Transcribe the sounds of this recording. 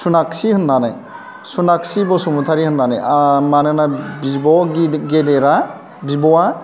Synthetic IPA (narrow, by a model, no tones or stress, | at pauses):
sunaksihɯnːanaj | sunaksibɔsumutʰaɾihɯnːana̰jamanɯnabibɔɡɡedɛɾa | bibɔwa